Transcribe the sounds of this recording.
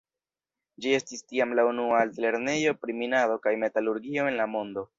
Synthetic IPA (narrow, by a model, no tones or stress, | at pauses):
d͡ʒie̞stistiamlaunualtle̞ɾne̞jo̞pɾiminado̞kajme̞taluɾɡio̞e̞nlamo̞ndo̞